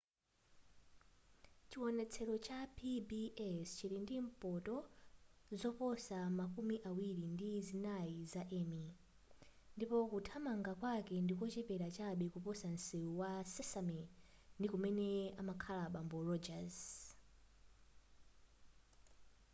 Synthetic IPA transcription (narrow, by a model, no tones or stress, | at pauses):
t͡ʃiwɔnɛt͡sʰɛɾɔt͡ʃapʰibiɛst͡ʃiɾindim̩pɔtɔ | zɔpɔsamakumiʔawiɾindizinaizaʔɛmi | ndipɔkutʰamaŋɡakwakɛndikɔt͡ʃɛpɛɾat͡ʃaɓikupɔsan̩siuwasɛsamɛndikumɛnɛamakʰalaɓambɔrɔd͡ʒaz